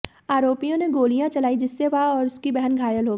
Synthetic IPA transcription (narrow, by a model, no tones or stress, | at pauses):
aːɾoːpijõneɡoːlijãt͡ʃɐlaːid͡ʒɪsːeʋaɔːɾʊskibɛɦənɡʱaːjəlɦoːɡ